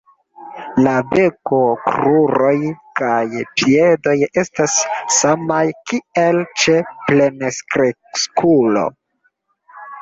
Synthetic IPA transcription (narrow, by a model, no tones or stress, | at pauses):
labe̞ko̞kɾuɾo̞jkajpie̞do̞je̞stasːamajkielt͡ʃe̞ple̞neskɾe | skulo̞̰